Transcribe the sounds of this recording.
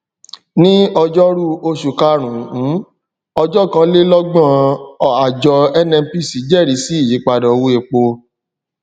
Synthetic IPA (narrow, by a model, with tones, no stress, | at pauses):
nĩ˦ɔ˧d͡ʒɔ˦ɾu˦o˧ʃu˨ka˧ɾ̃ũ˨ũ˨˦ | ɔ˧d͡ʒɔ˦˨kã˧le˦lɔ˦ɡ͡bã˦˨ɔ˨a˨d͡ʒɔ˧ɛ˧nɛ̃˧m̩˦pi˦˨si˨˦d͡ʒɛ˦˨ɾi˨˦si˨˦i˦˨ji˨˦k͡pa˧dɔ̃˨˧wu˧˦e˧k͡po˧